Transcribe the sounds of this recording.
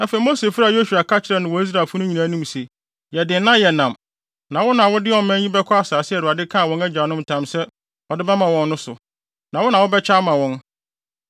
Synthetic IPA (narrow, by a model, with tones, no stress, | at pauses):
ã˨fe˨˦mo˦se˨fɾa˨jo˦su˨a˨kʰa˦t͡ɕʰɪ˦ɾɛ˨nʊ̃˨wɔ˨˦i˦s̬ɾa˨fʊ˦nʊ̃˦ɲĩ˨nã˨˦nũ˦mse˨ | jɛ˨dɪ˨nnːã˦jɛ˨nã˨m | nã˨wɔ˦nã˨wʊ˦dɪ˦ɔ˨m˨mɛ̃˦ɲĩ˦bɛ˦kʰɔ˦a˦saː˨sɪ˦ɛ˨dʊ˨a˨dɪ˦kʰã˦a˨wɔ̃˦næ˦d͡ʑa˨nʊ̃˦m˨tʰã˨msɛ˦ | ɔ˨dɪ˦bɛ˦mã˨wɔ̃˨nː˦ʊ̃˦sʊ̰˨ | nã˨wɔ˦nã˨wɔ˦bɛ˦t͡ɕʰa˦mã˨wɔ̃˦n